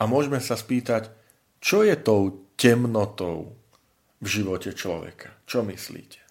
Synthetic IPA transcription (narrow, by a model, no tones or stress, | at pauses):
ʔamʊɔʒmɛsaspiːt̪ac | t͡ʃɔjɛt̪ɔʊcɛmnɔt̪ɔʊ | vʒiʋɔcɛt͡ʃlɔ̰ʋɛ̰kʰḁt͡ʃɔmislḭːcɛ̥